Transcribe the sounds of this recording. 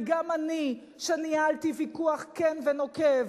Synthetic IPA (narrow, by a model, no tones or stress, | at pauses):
ɡamani | ʃenialtivikuaχkenveno̞kev